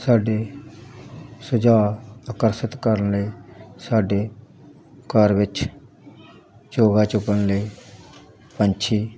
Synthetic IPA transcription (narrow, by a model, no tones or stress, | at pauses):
saːɖeː | sʊd͡ʒaːakəɾsɪt̪kəɾənləiːsaːɖeː | kəɾʋɪt͡ʃ | t͡ʃoːɡaːt͡ʃʊpːənləiː | pənt͡ʃʰiː